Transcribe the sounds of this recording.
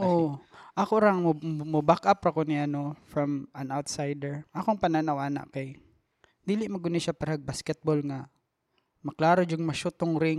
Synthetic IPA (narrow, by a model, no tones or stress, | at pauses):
ʔoʔɐkoɾɐŋmʊbakʔapɐkonɪɐnofɹɐmɐnawt̪sajd̪ɛɹʔɐkoŋpɐnanɐwaːnɐ̰ʔkaj | d̪iːlɪʔmɐɡʊnɪʃapɐɾɐhɐɡ̚baskɛt̪̚bolŋɐ | mɐklaːɾod͡ʒʊŋmɐʃʊt̪oŋɾɪŋ